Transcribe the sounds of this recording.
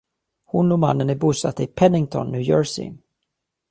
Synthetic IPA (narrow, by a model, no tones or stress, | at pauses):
hʊnɔma̰nːənɪbuːsat̪ːəɪpʰɛnɪŋt̪ʰɔ̰nːʉ̟ːjɔːɹsɪ̰